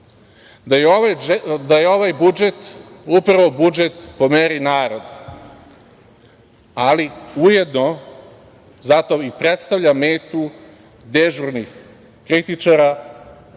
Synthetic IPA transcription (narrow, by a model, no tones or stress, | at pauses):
d̪ajeod̪ajeo̞ʋajbud͡ʒet̪upɾaʋo̞bud͡ʒet̪po̞meɾinaːɾo̞d̪e | aliuje̞d̪no | zat̪o̞ipɾet̪st̪aʋʎameːt̪u | d̪eʒuɾnix | kɾit̪it͡ʃaɾa